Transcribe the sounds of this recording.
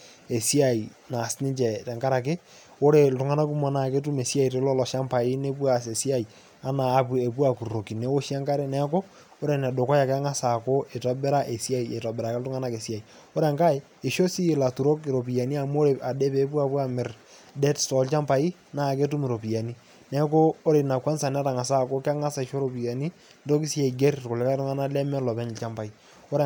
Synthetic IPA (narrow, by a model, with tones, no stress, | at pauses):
e˨si˦a˨i˨ | na˨snɪ˦t͡ʃɛ˨tɛ˨ŋka˦ɾa˨k̬ɪ˦ | o˦ɾe˨ltʊ˨ŋa˦na˦ku˦mɔ˨na˨ke˦t̬u˦me˨si˦a˦i˨te˨lɔ˦lɔ˨ʃa˦mpa˨ɪ˦ne˦pwa˨s̬e˨si˦a˦˨i˨ | a˦naː˨˦p̬e˨pwa˦˨ku˨ro˨ki˨ne˨˦wo˦ʃa˦ŋka˦ɾe˦nɛ˦ko˦ | o˦ɾe˨nɛ˨do˨kɔ˦ja˨kɛ˦ŋa˦sa˨ko˦ʔe˨tɔ˦bɪ˦ɾa˦ʔe˨si˦a˦i˨ḛ˨tɔ˨bɪ˨ɾa˨ke˦ltʊ˦ŋa˦na˦ke˨si˦a˨i˨ | o˦ɾɛ˨ŋka˦j | ɪ˨ʃo˦si˦˨la˨tu˨ɾo˦kɪ˨ɾo˨p̬i˨ja˨ni˦a˨mu˦o˦ɾe˨a˨de˦peː˨˦pu˦a˨pu˦a˨mɪ˨r | dɛ˦ttɔ˨˦lt͡ʃa˦mpa˨i˦ | na˨k̬e˦tu˦mɪ˨ɾo˨pi˨ja˨ni˦ | nɛ˦koː˦ɾe˨na˨kwa˦nsa˨n˦ta˨ŋa˨sa˦˨ko˦ka˦ŋa˦sa˨i˨ʃo˦ɾo˦pi˨ja˨ni˦ | ndo˦ki˦si˦a˨i˨ɡe˦ɾtko˨lɛ˨˦ka˦tʊ˦ŋa˦na˦lɛ˦mɛ˦lɔ˨pɛ˦ɲ˨t͡ʃa˦mpa˨i˦ | o˦ɾɛ˨